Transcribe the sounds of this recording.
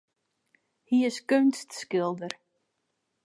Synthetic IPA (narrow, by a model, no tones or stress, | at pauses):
hiɪskønstskɪlˠdər